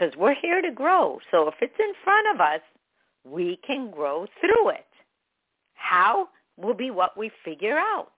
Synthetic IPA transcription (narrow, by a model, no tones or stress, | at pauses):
kʌzwɪɹhiɹɾɨɡɹoʊsoʊəfɨtsɨ̃nfɹʌ̃ɾ̃ʌvʌs | wikʰɨ̃nɡɹoʊθɹuɪ̰t̚ | haʊ | wɪlˠbiwʌʔwifɪɡjə˞aʊt̚